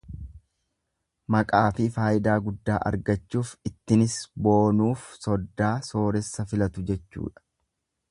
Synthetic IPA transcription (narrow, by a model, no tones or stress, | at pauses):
mɐkʼaːfɪfaːjɪd̪aːɡʊd̪ːaːʔɐ̰ɾɡɐt͡ʃːuːfɪt̪ːɪnɪsbo̞ːnuːfsɔd̪ːaːso̞ːɾɛsːɐfɪlɐt̪ʊd͡ʒɛt͡ʃːṵːᶑɐ̥